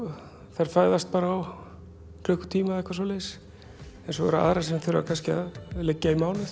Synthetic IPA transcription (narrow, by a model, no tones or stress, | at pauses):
θajɾ̥faːjðast̪̚paːɾaːw | klœːhkʏt̪ʰiːmaðɛhkvaɾsoːlɛðɪs | ɛnsɔvɛ̰ɾʏa̰ðɾasɛmθʏɾ̰a̰kʰanscɪa̰ðlecːaimaːwnɪθ